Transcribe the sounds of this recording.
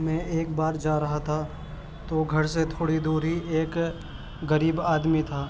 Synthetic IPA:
mɛ̃ʔeːk̚baːɾd͡ʒaːɾɐɦat̪ʰa | t̪oɡʱɐɾset̪ʰoːɽid̪uːɾɦieːk | ɡəɾiːbaːd̪mit̪ʰaː

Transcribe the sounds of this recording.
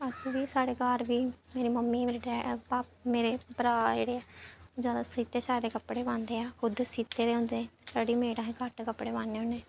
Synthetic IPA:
əsʋiːsaːɽeːɡaːɾʋiːmeːɾiːməmːiːɖɛːpaːp̚meːɾeːpəɾaːd͡ʒḛːɽeːɛːd͡ʒaːd̪aːsiːt̪eːsaːɾeːkəpːɽeːʋãːnd̪eːɛːkʰʊd̪siːt̪eːɾeːɦʊ̃nd̪eːsaːɽiːmeːɽãːɦẽːkəʈkəpːɽeːʋãːnːeːoneː

